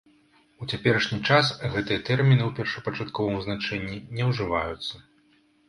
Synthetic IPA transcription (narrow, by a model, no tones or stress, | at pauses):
ut͡sʲapʲɛɾɐʂnʲit͡ʂasɣɛt̪ɨjɐt̪ɛrmʲinɨwpʲɛrʂɐpɐt͡ʂat̪kɔvɐmznat͡ʂɛnʲːinʲɛwʐɨvajut̪sːɐ